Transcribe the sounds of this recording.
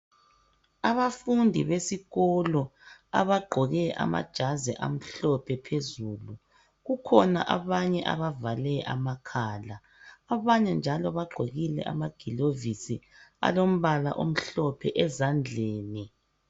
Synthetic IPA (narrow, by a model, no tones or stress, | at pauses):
aβafundʱiβesiɣɔlɔa̰βaɡ͡ǃʱɔɣɛʔa̰ma̰d̥ʒ̥ʱazɛ̰ʔam̩ɬɔpʰɛpʰezuːlu | ɣukʰɔna̰ʔaβaɲɛʔa̰βavalɛʔa̰makʰaːlaː | βaɲɛnd͡ʒʱalɔβaɡ͡ǃʱoɣilɛ̰ʔa̰maɡ̥ʱilovisi | a̰lom̩βala̰ʔom̩ɬɔpʰɛʔɛzand͡ɮʱeːni